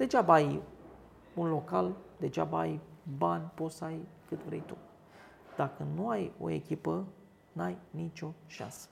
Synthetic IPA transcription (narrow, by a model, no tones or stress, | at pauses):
d̪̥e̞t͡ʃabaj | unlo̞kald̪et͡ʃa̰bajbanʲpo̞t̪səajkɨt̪vɾe̞̰jt̪u | d̪̥akənuajo̞̰e̞̰kʲipə | najnit͡ʃʲo̞ʃa̰nsə̥